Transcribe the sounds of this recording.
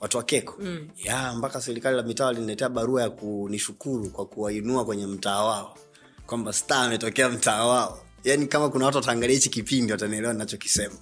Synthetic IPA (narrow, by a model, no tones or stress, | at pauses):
watuwakɛkɔ̥jambakasɛɾikalilamitaːalinilɛtɛaɓaɾuajakuniʃukuɾukwakuwainuakwɛɲɛm̩taːwaɔ | kwambastaːmɛtɔkɛam̩taːwaɔ | janikamakunawat̬uwataːŋɡaliɛait͡ʃikipindiwataniɛlɛwaninat͡ʃɔki̥sɛma